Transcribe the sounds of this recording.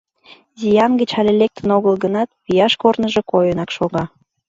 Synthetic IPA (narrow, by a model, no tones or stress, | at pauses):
zʲijɑnɡə̆t͡ɕɑlʲelek̚t̪ʰənoɣəlɡənɑt̪̚pijɑʃkornəʒĕkojənɑkʃoɣɑ